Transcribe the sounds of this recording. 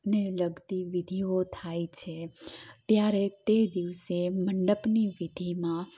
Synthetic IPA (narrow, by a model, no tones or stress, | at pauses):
neləɡt̪iʋid̪ʱiot̪ʰajt͡ʃʰet̪jaɾet̪ed̪iʋseməɳɖəpniʋid̪ʱimã